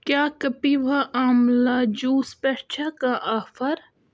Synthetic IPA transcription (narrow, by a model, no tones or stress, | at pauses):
kjaːkɐpiʋaʔaːmlad͡ʒuːspeɾt͡ʃʰakãʔaːfɐɾ